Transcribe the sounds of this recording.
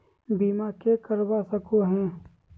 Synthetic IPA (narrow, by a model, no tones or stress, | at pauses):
biːmakekəɾbasəkoɦɛ̃ː